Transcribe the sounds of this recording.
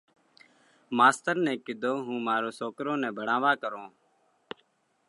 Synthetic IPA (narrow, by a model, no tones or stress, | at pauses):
maːst̪əɾnɛ̃ːkɪd̪ʱoːɦũːmaːɾoːsoːkɾõːnɛ̃ːbʱəɽãːʋaːkəɾõː